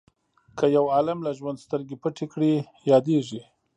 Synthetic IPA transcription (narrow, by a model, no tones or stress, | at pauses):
kʰəjawɑlamlaʒwand̪st̪əɾɡepəʈekɽi | jɑd̪eʐi